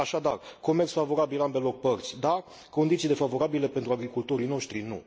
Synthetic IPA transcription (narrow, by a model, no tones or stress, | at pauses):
aʃad̪arko̞mert̪sfavo̞ɾabilambe̞lo̞k̚pərt̪sʲd̪a | ko̞nd̪it̪sile̞favo̞ɾabile̞pent̪ɾuaɡɾikult̪o̞ɾijno̞ʃt̪ɾinu